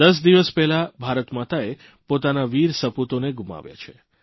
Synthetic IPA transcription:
d̪əs̬d̪iʋəspɛɦlabʱaɾət̪mat̪ae | pot̪anaʋiɾsəput̪oneɡuma̰ʋja̰t͡ʃʰe

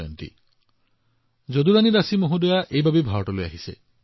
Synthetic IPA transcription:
jɔnt̪ḭ | d͡ʒod̪uɾanid̪asimoɦud̪ɔjaʔejbʱabibʱaɾɔʈɔloja̰ɦisḛ

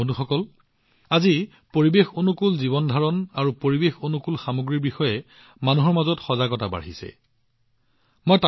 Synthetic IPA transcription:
onuxɔkɔl | azi | poɹibexonukulziβɔndʱaɹɔnaɹupoɹibexonukulxamuɡɹiɹbixɔjɛ | manuɦɔɹmazɔtxɔzaɡɔtaba̰ɹɦisɛ̰ | mɔjta

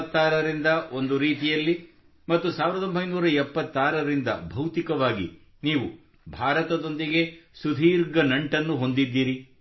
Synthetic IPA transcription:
t̪ːaːɾɐɾind̪ɐo̞nd̪uɾiːt̪ijɐlːi | mɐt̪ːusaːʋiɾɐd̪o̞mbʱɐjnuːɾɐɛpːɐt̪ːaːɾɐɾind̪ɐ̰bʱɐwt̪ikɐʋaːɡḭ | niːʋu | bʱaːɾɐt̪ɐd̪o̞nd̪iɡe̞sud̪ʱiːɾɡɐnɐɳʈɐnːuɦo̞nd̪id̪ːiːɾi

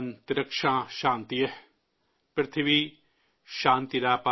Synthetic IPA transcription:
nt̪iɾɐkʃãːʃãːnt̪ijɐ | pɾɐt̪ʰiʋi | ʃãːnt̪iɾaːpa

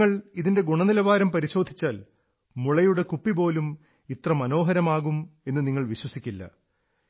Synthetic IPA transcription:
ɐɭiðinde̞ɡuɳɐnilɐʋaːɾɐmpɐɾiɕo̞ːd̪ʱit͡ɕːaːl | muɭɐjuɽe̞kupːibo̞ːlum | it̪rɐmɐno̞ːɦɐɾɐmaːɣume̞nːɨniŋːɐɭʋiɕwɐsikʲːilːɐ̰

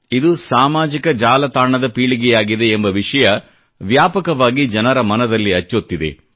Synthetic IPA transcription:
id̪usaːmaːd͡ʒikɐd͡ʒaːlɐt̪aːɳɐd̪ɐpiːɭiɡɛjaːɡid̪e̞ːmbɐʋiʂɐjɐ | ʋjaːpɐkɐʋaːɡid͡ʒɐnɐɾɐmɐnɐd̪ɐlːiɐt͡ʃːot̪ːid̪e̞̰

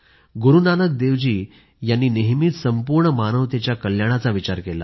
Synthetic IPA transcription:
ɡuɾunanək̚d̪eʋd͡ʑiː | janːiːneɦmiːt̪səmpuɾɳəmanəʋt̪jat͡ɕjakəljaɽ̃at͡saʋit͡ɕaɾkela̰

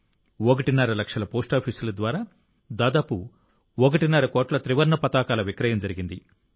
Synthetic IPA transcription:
ɔkɐʈinaːɾɐlɐkʂɐlɐpoːsʈaːpʰiːsulɐd̪ʋaːɾaː | d̪aːd̪aːpu | ɔk̬ɐʈinaːɾɐkoːʈlɐt̪ɾiʋɐɾnɐpɐt̪aːkaːlɐʋikɾɐjɐmd͡ʒɐɾiɡind̪i

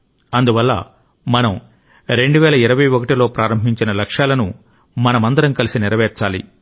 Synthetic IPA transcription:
ɐnd̪uʋɐlːɐ̰ | mɐnɐm | ɾe̞ɳɖuʋɛːlɐiɾɐʋɐjokɐʈilo̞ːpɾʔaːɾɐmbʱiɲt͡ʃinɐlɐkʂaːlɐnu | mɐnɐmɐnd̪ɐɾɐmkɐlisiniɾɐʋɛːɾt͡ʃaːlḭ

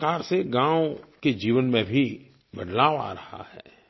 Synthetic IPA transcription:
kaːɾseɡãːʊked͡ʒiːʋənmẽbʱi | bəd̪laːʋa̰ːɾɐha̰hɛ̰ː

